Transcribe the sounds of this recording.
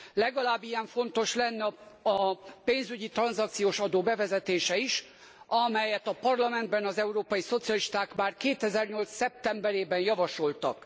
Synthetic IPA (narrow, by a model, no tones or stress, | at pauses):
lɛɡɒlaːbːijɛɱfo̞nt̪o̞ʃlɛnːɛɒpeːnzyɟit̪rɒnzɒk̚t̪sijoːʃɒd̪oːbɛvɛzɛt̪eːʃɛiʃ | ɒmɛjɛt̪ɒpɒrlɒmɛnd̪bɛnɒzɛuɾoːpɒjiso̞t̪sijɒliʃt̪aːkmaːrkeːt̪ɛzɛrɲo̞lt̪sːɛp̚t̪ɛmbɛɾeːbɛnjɒvɒʃo̞lt̪ɒ̰k